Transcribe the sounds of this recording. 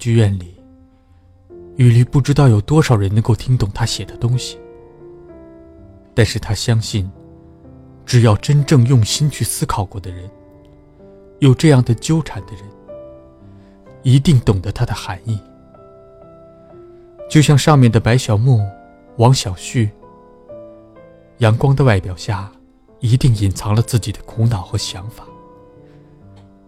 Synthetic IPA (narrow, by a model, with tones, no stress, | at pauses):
t͡ɕy˥ɥɛ˥˩nli˨˩˦ | y˨˩li˧˥pu˥˩ʈ͡ʂɻ̩˥t̪ɑ˥˩ʊjo˨˩ʊt̪wɔ˥ʂɑ˨˩ʊɻə˧˥nɤ˧˥ŋko˥˩ʊt̪ʰi˥ŋt̪ʊ˨˩ŋt̪ʰa˥ɕjɛ˨˩d̪ə˦t̪ʊ˥ŋɕi̥˨ | t̪a˥˧nʂɻ̩˥˩t̪ʰa˥ɕjɑ˥ŋɕi˥˩n | ʈ͡ʂɻ̩˨˩jɑ˥˩ʊʈ͡ʂə˥nʈ͡ʂɤ˥˧ŋjʊ˥˩ŋɕi˥nt͡ɕʰy˥˩sɹ̩˥kʰɑ˨˩ʊkwɔ˥˩d̪ə˩ɻə˧˥n | jo˨˩ʊʈ͡ʂɤ˥˧jɑ˥˩ŋd̪ə˩t͡ɕjo˥ʊʈ͡ʂʰa˨˧˥nd̪ə˧ɻə˧˥n | i˧˥t̪i˥˩ŋt̪ʊ˨˩ŋd̪ə˦t̪ʰa˥d̪ə˨xa˧˥ni˥˩ | t͡ɕjo˥˧ʊɕjɑ˥˧ŋʂɑ˥˧ŋmjɛ˥˩nd̪ə˩pa˧˥ɪɕjɑ˨˩ʊmu˥˩ | wɑ˧˥ŋɕjɑ˨˩ʊɕy˥˩ | jɑ˧˥ŋkwɑ˥ŋd̪ə˨wa˥˩ɪpjɑ˨˩ʊɕja˥˩ | i˧˥t̪i˥˩ŋi˨˩nt͡sʰɑ˧˥ŋlə˧t͡sɹ̩˥˩t͡ɕi˨˩d̪ə˦kʰu˧˥nɑ˨˩ʊxɤ˧˥ɕjɑ˧˥ŋfḁ˨˩˦